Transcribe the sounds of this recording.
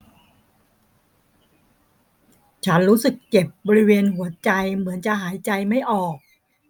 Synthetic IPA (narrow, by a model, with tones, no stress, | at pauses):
t͡ɕʰa˦˥nɾuː˦˥sɯ˨˩kːe˨˩p̚bɔː˧ɾi˦˥weː˧nɦu˩˦ɐt͡ɕa˧jmɯ˩˦ənt͡ɕa˨˩ɦaː˩˦jt͡ɕa˧jma˥˩jʔɔː˨˩k̚